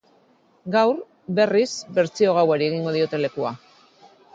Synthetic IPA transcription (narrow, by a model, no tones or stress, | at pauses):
ɡawɾ | be̞risbe̞ɾt͡sio̞ɣ̞awaɾie̞ɣiŋɡo̞ð̞io̞t̪e̞le̞kua